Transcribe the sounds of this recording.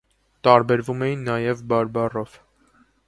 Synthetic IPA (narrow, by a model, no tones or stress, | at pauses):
t̪ɑɾbɛɾvumɛjinːɑjɛvbɑɾbɑrɔv̥